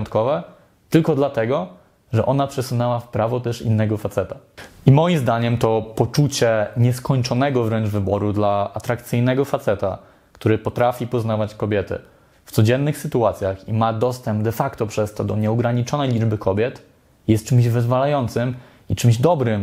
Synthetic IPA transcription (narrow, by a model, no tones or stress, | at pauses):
nt̪̚kɔvɛ | t̪ɘlkɔd̪lat̪ɛɡɔ | ʐɛʔɔnapʂɛsunɛwafpɾavɔt̪ɛʂḭnːɛɡɔfat̪sɛt̪aimɔjimzd̪aɲɛmt̪ɔpɔt͡ʂut͡ɕɛɲɛskɔɲt͡ʂɔnɛɡɔvɾɛnʐvɘbɔɾud̪laat̪ɾakt̪sɘjnɛɡɔfat̪sɛt̪a̰ | kt̪uɾɘpɔt̪ɾafʲipɔznavat͡ɕkɔbʲjɛt̪ɘ̰ | ft̪sɔd͡ʑɛnːɘxsɘt̪uat̪sʲjaximad̪ɔst̪ɛmb̚d̪ɛfakt̪ɔpʂɛst̪ɔd̪ɔɲɛɔɡɾaɲit͡ʂɔnɛjlʲid͡ʐbɘkʰɔbʲjɛt̪ | jɛst̪̚t͡ʂɘmʑvɘzvalajɔnt̪sɘm | it͡ʂɘmʑd̪ɔbɾɘm